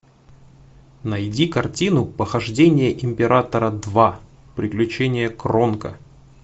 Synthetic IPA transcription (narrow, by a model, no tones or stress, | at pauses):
nɐjdʲikɐrtʲinʊpəxɐʐdʲenʲɪjəʔɪmʲpʲɪɾʔat̪əɾəd̪va | pɾʲɪklʲʉt͡ɕenʲɪjəkronkə̰